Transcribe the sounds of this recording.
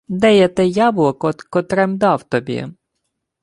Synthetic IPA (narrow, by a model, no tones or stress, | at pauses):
d̪ɛjɛt̪ɛjɑblˠɔkɔkɔt̪ɾɛmd̪ɑwt̪ɔbʲḭ